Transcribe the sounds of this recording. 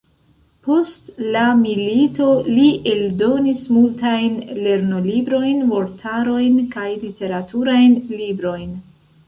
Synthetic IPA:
po̞stlamilito̞liʔe̞ldo̞nismultajnle̞ɾnolibɾo̞jnvo̞ɾtʰaɾo̞jnkajlite̞ɾatʰuɾajnlibɾo̞jn

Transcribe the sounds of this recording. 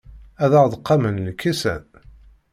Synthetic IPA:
æðæʁðˤəqːɑmənːəkʰːisæ̰n

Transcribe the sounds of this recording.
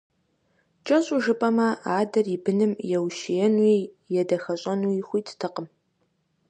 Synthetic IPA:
t͡ʃʼɐɕʼuʒɨpʼɐmɐaːdɐribɨnɨmjɛwʃɪjɛnwiː | jɛdɐxɐɕʼɐnuːixʷiːtʰtʰɨqəm

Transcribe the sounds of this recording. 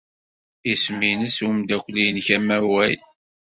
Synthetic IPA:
isminəsumd̪ækʷlijnçæmæwæj

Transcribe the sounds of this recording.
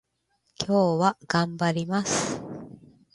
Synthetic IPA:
kʲʰo̞ːβaɡ̥ãmbaɾʲimasɨ̥

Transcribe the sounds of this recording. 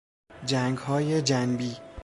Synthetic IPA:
d͡ʒæŋɡhɒːjed͡ʒænbiː

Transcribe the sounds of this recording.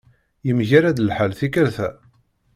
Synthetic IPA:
jəmʝaɾæd̪əlħalθikəɾθæ

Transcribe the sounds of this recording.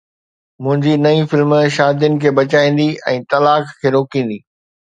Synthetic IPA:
mʊ̃ɦɪ̃ɲd͡ʑinɐĩfɪlmʃaːd̪jʊnɪ̆kʰeːbɐt͡ɕaːĩːn̆d̪iɛ̃ːt̪ɐlaːkkʰːeːɾoːkĩːn̆d̪iː

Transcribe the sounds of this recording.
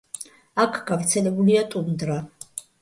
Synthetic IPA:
akʰɡ̥avɾt̪sʰɛlɛbuliat̪ʼund̪ɾa

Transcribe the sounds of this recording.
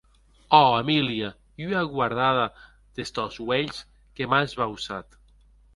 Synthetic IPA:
ɔamilia | yaɣwaɾð̞aða | ð̥est̪ɔzweʎs | kemazβausat̪

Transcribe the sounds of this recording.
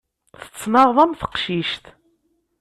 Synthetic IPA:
θə̥t͡sːnɑðˤɑmθə̥qʃiʃt̪

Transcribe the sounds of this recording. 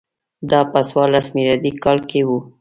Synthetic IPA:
d̪ɑpəswɑɾlasmilɑd̪ikɑlkewu

